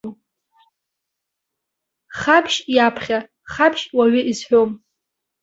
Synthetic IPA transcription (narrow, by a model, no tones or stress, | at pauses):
χapʰʃjapʰχʲa | χapʰʃwaɥʏʔizħʷᶣom